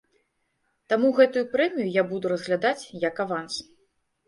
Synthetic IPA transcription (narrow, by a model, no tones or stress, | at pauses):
t̪amuɣɛt̪ujupɾɛmʲijujabud̪uɾɐzɣlʲad̪at͡sʲjɐkavant̪s